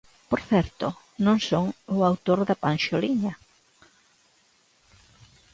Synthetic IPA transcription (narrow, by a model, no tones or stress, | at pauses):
poɾθɛɾt̪ʊ | nõŋsoŋʊawt̪oɾðɐpanʃoliɲɐ